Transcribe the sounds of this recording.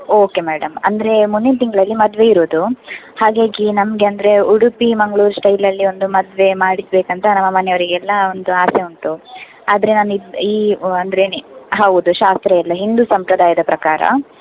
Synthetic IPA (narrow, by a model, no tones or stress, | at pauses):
o̞ːke̞mɛːɽɐmɐ̰nd̪ɐɾe̞munːint̪iŋɡɐɭɐlːimɐd̪ʋe̞iɾoːd̪uhaːɡaːɡinɐmɐɡe̞ɐnd̪ɐɾe̞uɽupimɐŋɡɭuːɾsʈɐjlɐlːio̞nd̪umɐd̪ʋe̞maːɽisbeːkɐnt̪ɐnɐmːɐmɐnɛjoɾiɡɛlːɐo̞nd̪uaːseunt̪u | aːd̪ɐɾe̞naːnuiiːɐnd̪ɐɾenɦaʋud̪uʃaːst̪ɾɐɛlːɐɦind̪usɐmpɾɐd̪aːjɐd̪ɐpɾɐkaːɾɐ̰